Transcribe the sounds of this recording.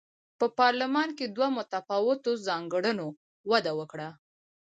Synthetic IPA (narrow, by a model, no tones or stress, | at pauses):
pəpɑɾlɪmɑnked̪wamʊt̪afɑwɪt̪ozɑŋɡɽəno | wad̪awəkɽa